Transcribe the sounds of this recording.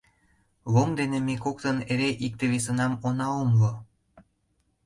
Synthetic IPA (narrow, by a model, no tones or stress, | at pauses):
βoŋd̪enemekokt̪əneɾeʔik̚t̪eβesənɑmonɑomlo